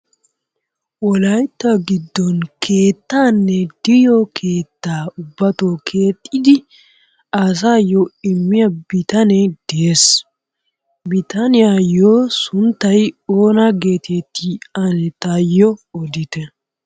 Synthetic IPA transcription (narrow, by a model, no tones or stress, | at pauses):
wɔlɐjt̪ːɐɡɪd̪ːɔnkʰe̞ːt̪ːaːnːɛd̪̥ɪjɔkʰeːt̪ːaːʊbːɐt̪oːkʰe̞ːt̪ʼːɪd̪ɪ | as̬aːjoɪmːɪjɐbɪt̪ɐnɛd̪̥ɛes | bɪt̪ɐnɪjajoːsʊnt̪ːɐjoːnɐɡe̞ːt̪et̪ːiɐnɛt̪ɐjɔɔd̪ɪt̪ɛ